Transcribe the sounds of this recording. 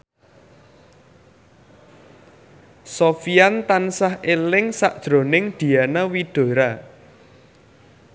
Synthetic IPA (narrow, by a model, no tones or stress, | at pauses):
sofiant̪ansahʔelɪŋsaʔd̥ʒ̥ɾo̤nɪŋd̪̥i̤anawid̪̥o̤ɾa